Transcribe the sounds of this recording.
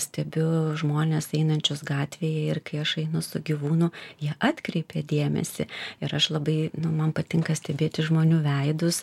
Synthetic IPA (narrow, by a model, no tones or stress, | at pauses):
sʲt̪ʲɛbʲʊʒmoːnʲeːsɛɪnɐnʲt͡ʃʲʊsɡɑːt̪ʲʋʲeːjɛɪrkɐɪɐʃɐɪnʊsʊɡʲiʋuːnʊjiɛʔɑːt̪ʲkɾʲɛɪpʲeːd̪ʲeːmʲɛ̰sʲɪ̰ɪɾɐʃlˠɐbɐɪnʊmɐnpɐt̪ʲɪŋkɐsʲt̪ʲɛbʲeːt̪ʲɪʒmoːnʲuːʋʲɛɪd̪ʊs